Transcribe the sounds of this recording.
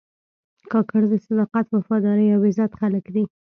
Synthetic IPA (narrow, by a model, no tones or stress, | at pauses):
kɑkaɾd̪əsad̪ɑqat̪wafɑd̪ɑɾəjawɪzat̪xaləkd̪i